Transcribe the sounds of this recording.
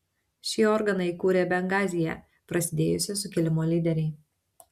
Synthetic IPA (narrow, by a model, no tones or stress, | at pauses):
ʃʲɪɔɾɡɐnɐɪkuːɾʲeːbʲɛŋɡɑːzʲɪjɛ̰ | pɾɐsʲɪd̪ʲeːjʊsʲɪsʊkʲɪlʲɪmoːlʲiːd̪ʲɛɾʲɛɪ